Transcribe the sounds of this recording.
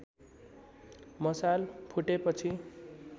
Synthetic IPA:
mʌsalpʰuʈepʌt͡sʰi

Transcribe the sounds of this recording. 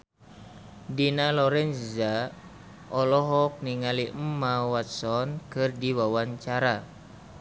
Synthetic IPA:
dinalɔɾɛnza | ɔlɔɦɔk̚niŋalimːawat̪sɔnkɨrdiwawaɲt͡ʃaɾa

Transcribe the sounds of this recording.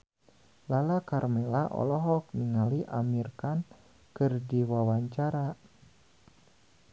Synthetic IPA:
lalakarmɛlaʔɔ̰lɔɦɔk̚niŋaliʔa̰mirkan | kɨrdiwawaɲt͡ʃaɾa

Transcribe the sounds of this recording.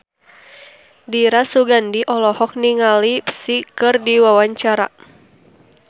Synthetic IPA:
diɾasuɡandiʔɔlɔhɔk̚niŋalipsikɨrdiwawaɲt͡ʃaɾa̰

